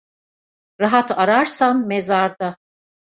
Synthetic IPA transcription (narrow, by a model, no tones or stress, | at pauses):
ɾaɦat̪ʰaɾaɾsanmezaɾd̪a